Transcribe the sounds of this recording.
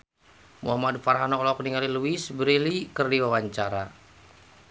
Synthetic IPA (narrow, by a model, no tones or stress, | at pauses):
mṵhamadfaɾɦanɔlɔk̚niŋaliluisbɾilikərdiwawaɲt͡ʃaɾa